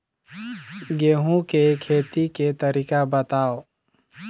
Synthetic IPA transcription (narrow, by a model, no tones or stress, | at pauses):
ɡeːɦũkekʰeːt̪iket̪əɾiːkabət̪aːo